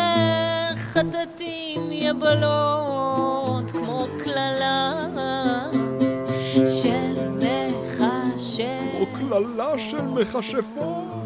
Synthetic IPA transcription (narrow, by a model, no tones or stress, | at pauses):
χat̪at̪i | mjabalo | t̪kmoklala | ʃelmeχaʃemoklalaʃelmeχaʃefo